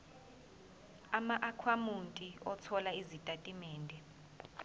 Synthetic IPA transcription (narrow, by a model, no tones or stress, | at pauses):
amaʔakʰwamuntʼiɔt͡sʰɔlaizitʼatʼimɛːndʱɛ